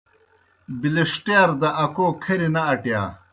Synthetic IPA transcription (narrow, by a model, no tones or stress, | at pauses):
biliʂʈjaːɾd̪ɐʔɐkoːkʰɐɾinɐɐʈja̰ː